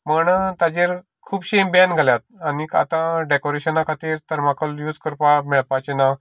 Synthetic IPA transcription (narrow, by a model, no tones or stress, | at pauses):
məɳt̪ad͡ʑeɾ | kʰuːbɕembanɡʱaljat̪̚anika̰t̪ãɖekoɾeɕənakʰat̪iːɾt̪əɾmakəljuːd͡zkəɾpamɛɭpat͡ɕena